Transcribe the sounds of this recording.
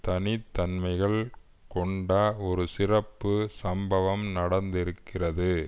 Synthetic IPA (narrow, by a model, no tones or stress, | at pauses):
t̪ɐnɪt̪ːɐnmɐɪɣɐɭ | kɔɳɖaɔɾɯsɪrɐpːɯsɐmbɐʋɐmnɐɽɐnd̪ɪɾɯkːɪrɐðɯ